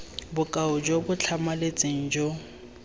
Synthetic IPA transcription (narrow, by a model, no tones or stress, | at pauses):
bʊkʼaʊd͡ʒobʊt͡ɬʰamalet͡sʼɪŋ̩d͡ʒo